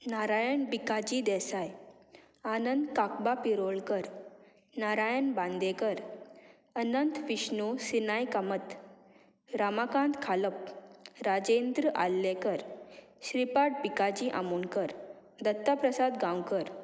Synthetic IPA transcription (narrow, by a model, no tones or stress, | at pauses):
naɾajəɳbikad͡ʑid̪ɛsaj | anənd̪kakbapiɾoɭkəɾ | naɾajənbãnd̪ẽkəɾ | ənənt̪ʋiɕnusinajkamət̪ | ɾamakãnt̪kʰaləp̚ɾad͡ʑend̪ɾəʔa̰lːekəɾ | ɕɾipaʈ̚bikad͡ʑiʔa̰muːnkəɾ | d̪ət̪ːapɾəsad̪ɡãwkəɾ